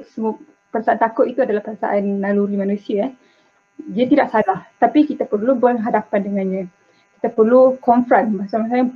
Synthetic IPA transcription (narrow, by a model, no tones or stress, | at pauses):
səm | pəɾasaʔant̪akʊt̪it̪uadalahpəɾasa̰ʔanːaluɾimanusia | diat̪idaʔsalaht̪apikit̪apərlubərɦadapandəŋanɲã | kit̪apərlukɔɱfɾanbasamasaa